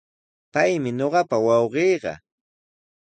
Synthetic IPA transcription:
pajmɪɲoɢɑpawɑwɢeːɢɑ̰

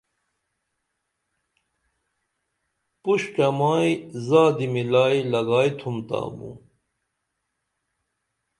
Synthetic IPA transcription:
puɕkɐmaːjzaːd̪imilaːjlɐɡaːjt̪ʰumt̪a̰ːmṵ

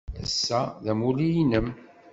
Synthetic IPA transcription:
əsːæðæmulijinəm

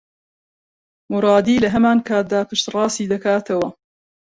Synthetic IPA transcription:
mʊɾˤɑːd̪iːlɐɦɐmaːnkʰaːt̪̚d̪aːpɨʃt̪rˤɑːsiːd̪ɐkaːt̪ʰɐwɐ

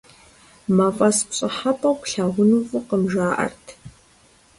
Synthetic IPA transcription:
mafʼɐspɕʼɐħapʼɐwkʷɬaːʁʷʊnuːfʼɨqəmʒaːʔɐ̰rtʰ

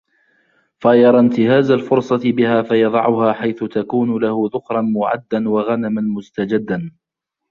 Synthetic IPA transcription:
faʔjɑɾˤɑnt̪ɪhaːzalfʊɾsˤɑt̪ɪbɪhaːfajɑðˤɑ̰ʕʊhaːħajθʊt̪akuːnʊlahʊðʊkɾˤɑnmʊʕa̰d̪ːanwaɣanamanmʊst̪ad͡ʒad̪ːan

